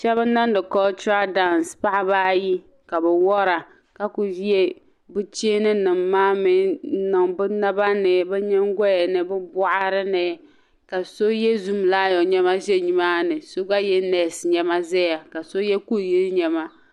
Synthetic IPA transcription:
ʃɛ˦βɨ˦na˦n˦dɨ˨kɔ˦t͡ʃa˦da˦˨n˨spa˦ʔa˦baː˦ji˦ | ka˨bɛ˨wɔ˦ɾa˨ | ka˦ku˨i˦e˦ | bʊ˦t͡ʃeː˦nɨ˦nɨ˨mːaː˦mɪ˨˦nɨ˨ŋbɨ˦na˦ba˦nɨ˨bɛ˦ɲɛ˦ŋ˦ɡɔ˦jɛ˨nɨ˨bɨ˦bʊ˦ʔa˦ɾɨ˦nɛ˨ | ka˨so˦jɛ˦zu˦m˨laː˦jɔ˨ɲɛ˦ma˦ʒɛ˦ɲi˨maː˦nɨ˨so˦ɡa˦jɛ˦nɛ˨sɲɛ˦ma˦zɛ˦ja˨ka˨so˦jɛ˦ku˦˨ji˦ɲɛ˨ma˦

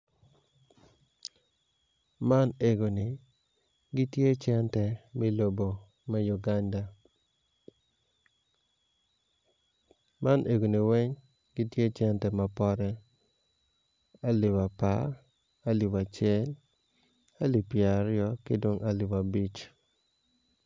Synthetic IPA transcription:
ma˦ne˨ɡo˨ni˨ | ɡɪ˦tje˦t͡ʃɛ˦ntɛ˨mi˦lo˨bo˨ | mɛ˦ju˨ɡa˦nda˨ | ma˦nʔe˨ɡo˨ni˨wɛ˦ɲ | ɡɪ˦tje˦t͡ʃɛ˦ntɛ˨ma˨pɔ˦ɾɛ˦ | a˦lɪ˨wa˨pa˦ | a˦lɪ˨wa˨t͡ʃɛ˦l | a˦li˨pja˨ɾɪɔ˦kɪ˦do˦ŋʔa˦lɪ˨wa˨bi˦t͡ʃ

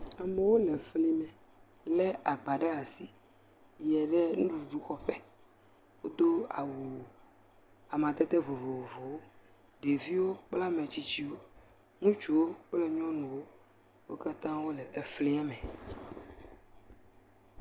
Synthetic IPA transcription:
ɛ˨mɛ̃˦wo˦lɛ˨fli˦mɛ̃˨ | lɛ˦a˨ɡ͡ba˨ɖɛ˦a˨si˦ | jɛ˨ɖɛ˦nũ˦ɖu˨u˨ɖu˦xɔ˦ɸɛ˦ | wo˦d̪o˦a˨wu˨ | a˨mã˨t̪ɛ˦t̪ɛ˦vo˨vo˨vo˨vo˨wo˦ | ɖe˨vi˦wo˦k͡pla˦mɛ̃˨t͡ɕi˦t͡ɕi˦wo˦ | ŋũ˦t͡ʃu˨wo˦k͡plɛ˦ɲɔ̃˦nũ˨wo˦ | wo˦ka˦t̪ã˦wo˦lɛ˨e˨fli˦a˦mɛ̃˨

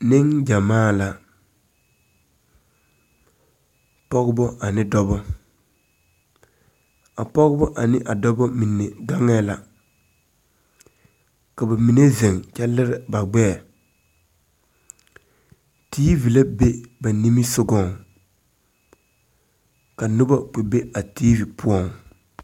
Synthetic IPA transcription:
nɪ˦ŋd͡ʒa˨maː˦˨la˨ | pɔ˦ɡɪ˦bɔ˦ʔa˨nɪ˦dɔ˦bɔ˦ | a˨pɔ˦ɣɪ˦bɔ˦ʔa˨nɪ˦ʔa˨dɔ˦bɔ˦mi˨nːe˨ɡa˦ŋɛ˦la̰˨ | ka˨ba˨mi˨ne˦ze˨ŋt͡ʃɛ˦lɪ˦ɾɪ˨ba˨ɡ͡bɛː˦˨ | tʰiː˦vi˨la˦be˦ba˨ni˦mi˦sʊ˦ɡɔ˦˨ŋ | ka˨nʊ˦ba˦k͡pe˨be˦a˨tiː˦vi˨pʊ˦ɔ˦˨ŋ

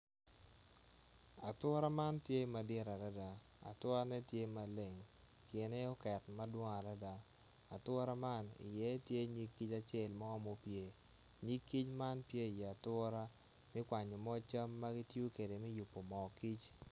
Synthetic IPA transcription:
a˨twɔ˦ɾa˦ma˦ntje˦ma˨dɪ˦˨ɾa˨da˦da˨ | a̰˨twɔ˦ɾa˦nɛ˦tje˦ma˨le˨ŋ | kɪ˨nɛ˦ɔ˦kɛ˨tma˦dwo˦ŋa˨da˦da˨ | a˨tɔ˦ɾa˦ma˦nɪ̰˨jɛ˦tje˦ɲi˦kːi˦t͡ʃa˦t͡ʃe˦˨lma˦ɔ˦mo˦pje˦ | ɲi˦kːi˦t͡ʃma˦npje˦ɪ˨jɛ˨a˨tɔ˦ɾa˦ | mɪ˦kwa˨ɲo˨mɔ˦t͡ʃa˦mːa˦ɡɪ˦tju˦ke˨de˨mɪ˦ju˨pːo˨mɔ˨ki˦t͡ʃ

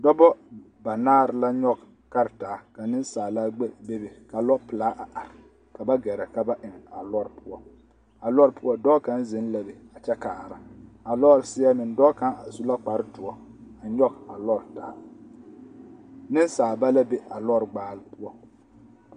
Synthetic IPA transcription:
dɔ˦bɔ˦ | ba˨naː˦ɾɪ˨la˦ɲɔ˦ɡ | ka˦ɾtaː˨˦ka˨nɪ˦nsaː˨la˦ɡ͡be˦be˦be˨ka˨lɔ˦pɪ˨laː˦ʔa˨ʔa˨ɾɪ˨ | ka˨ba˦ɡɛ˨ɾɛ˨ka˨ba˦ʔɪ˨ŋ˨a˨lɔ˦ɾpʊ˦ɔ˦ | a˨lɔ˦ɾpʊ˦ɔ˦dɔː˦ka˦nzɪ˨˦nla˨be˨a˨t͡ʃɛ˦kaː˨ɾa̰˨a˨lɔ˦ɾsɪ˦ɛ˦mɪ˨ndɔː˦ka˦na˨su˦la˦k͡pa˨ɾtʊ˨ɔ˦a˨ɲɔ˦ɡa˨lɔ˦ɾtaː˨˦ | nɪ˦nsaː˨ba˦la˦be˨a˨lɔ˦ɾɡ͡baː˨lɪ˦pʊ˦ɔ˦

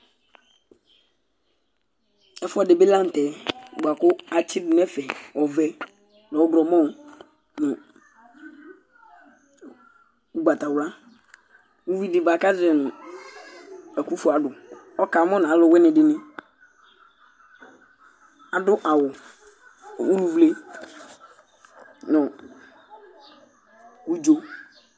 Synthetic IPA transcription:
ɛ˦fɔ˦˨de˨be˦la˦n̩˨tɛ˨ɡ͡ba˨kʊ˦a˨t͡ɕʰɪ˦dʊ˨nɛ˦fɛ˨ɔ˨vɛ˦ | nã˨ɔ˦ɡɾɔ˨mɔ̃˦˨ | nɪ̃˨ | u˦ɡ͡ba˨ta˨wla˦ | wu˦wi˦dɪ˨ba˨ka˦zɛ˨nʊ˨ | ɛ˨ku˦fu˦˨a˨dʊ˨ | ɔ˦ka˨˦mɔ̃˦n˨a˨˦lɔ˦˨wɛ˦nɪ˨dɪ˨nɪ̃˦ | a˨dʊ˦ʔa˨wʊ˨ | u˦nũ˨vle˦ | nɔ˨ | ku˦d͡ʒo˦

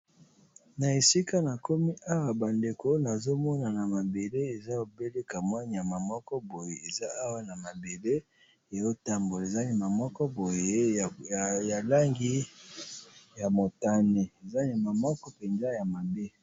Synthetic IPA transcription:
na˨e˨si˦ka˦na˨ko˦mi˦a˦wa˨ba˨nde˨ko˦na˨zo˦mɔ˦na˨na˨ma˨be˨le˦e˨za˦o˨be˦le˦ka˨mwa˦n˨ja˨ma˨mɔ˦kɔ˦bo˨je˨e˨za˦a˦wa˦na˨ma˨be˨le˦ | a˨jo˦ta˦mbo˨le˨za˦ni˨ma˨mɔ˦kɔ˦bo˨je˦ | ja˨la˦ŋɡi˦ | ja˨mo˨ta˦ne˨e˨za˦ni˨ma˨mɔ˦kɔ˦pe˨nza˦ja˨ma˨be˦

